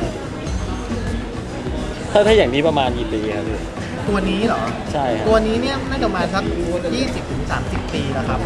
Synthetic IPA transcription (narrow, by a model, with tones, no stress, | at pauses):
t̪ʰaː˥˩t̪ʰa˥˩jaː˨˩niː˦˥pɾa˧maː˧nkiː˨˩piː˧kʰa˦˥p̚diː˧˩ | t̪u˧ɐniː˦˥lɔː˩˦ | t͡ɕʰa˥˩jkʰa˦u˧ɐniː˦˥ni˥˩ɐna˥˩t͡ɕaː˨˧˩maː˧nsa˦˥k̚duː˧kːjiː˥˩si˨˩p̚t̪ʰɯ˩˦ŋsa̰ː˩˦msi˨˩pːiː˧la˨˩kʰa˦˥p̚